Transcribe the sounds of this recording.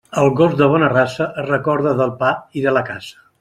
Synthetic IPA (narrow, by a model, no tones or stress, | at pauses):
əlˠɣozd̪əβ̞ɔnərasəʔrəkɔɾðəðəlˠpaiðələkasə̥